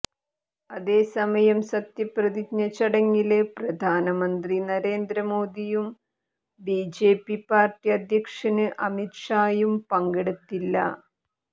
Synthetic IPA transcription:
ɐðe̞ːsɐmɐjɐmsɐt̪jɐprɐðikɲɐt͡ɕːɐɽɐŋːilprɐd̪ʱaːnɐmɐnd̪rinɐɾe̞ːnd̪ɾɐmo̞ːd̪ijum | biːd͡ʑe̞ːpːipaːrʈːiɐd̪ʱjɐkʂɐnɨʔɐmitʂaːjumpɐŋɡeɽut̪ːilːɐ̰

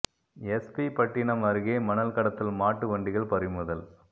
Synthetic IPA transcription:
ɛspipɐʈːɪɳɐmɐɾɯɣeːmɐnɐlkɐɽɐt̪ːɪlmaːʈːɯʋɐɳɖɪɣɐɭpɐɾɪmɯðɐl

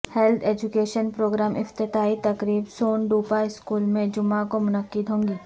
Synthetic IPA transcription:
hɛlt̪ʰeːd͡ʒʊkeːʃənpɾoːɡɾaːmɪft̪ɪt̪aːit̪ɐkɾiːbsoːnɖuːpaɪskuːlmẽd͡ʒʊmakomʊnəqːɪd̪ʱɦõːŋɡiː

